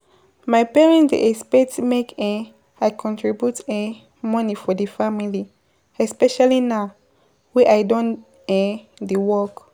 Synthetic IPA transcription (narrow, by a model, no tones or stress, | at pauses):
majpɛɹɛ̃ndḛʔɛspɛtmekʰɛ̃ | ajkʰɔ̃ntʰɹibjutɛ̃ | mɔ̃nifɔdifamili | ɛspɛʃalina | wɛʔajdɔ̃n | ɛ̃ | diwɔk